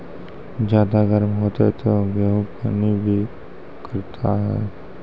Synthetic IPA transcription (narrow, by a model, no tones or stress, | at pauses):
d͡ʒjaːd̪aɡɐɾmɦoːt̪aɦɛt̪oɡeɦupanibʱi | kɐɾt̪ʰaɦɛ̰ː